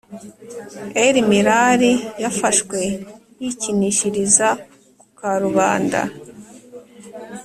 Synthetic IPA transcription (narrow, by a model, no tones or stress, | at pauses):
eɾimiɾaɾijafaʃkwe̞jiciniʃiɾiza | kukaɾuβaːnda̰